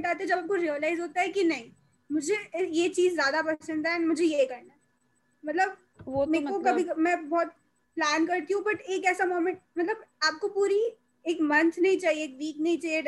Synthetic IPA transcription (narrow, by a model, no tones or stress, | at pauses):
ʈaːt̪eɛd͡ʒɐbaːp̚koɾiːəlaːɪzɦoːt̪aɦɛkinɐɦĩ | mʊd͡ʒʱejet͡ʃiːzːjaːd̪apɐsə̃nd̪aɛnmʊd͡ʒʱejekɐɾna | mɐt̪ləb | meːkokɐbʱimɛ̃bɔːt̪̚ | plæːnkɐɾt̪iɦũbɐʈeːkɛːsamoːmẽɳʈ̚mɐt̪ləbaːp̚kopuːɾi | eːkmɐ̃nt̪ʰnɐɦĩt͡ʃaːɦieeːkʋiːknɐɦĩt͡ʃaːɦie